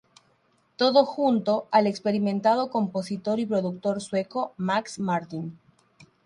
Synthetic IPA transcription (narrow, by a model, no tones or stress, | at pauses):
t̪o̞ðoxunt̪o̞alekspeɾimẽ̞nt̪að̞o̞ko̞mpo̞sit̪o̞ɾipɾo̞ðuk̚t̪o̞ɾswe̞ko̞maksmaɾt̪in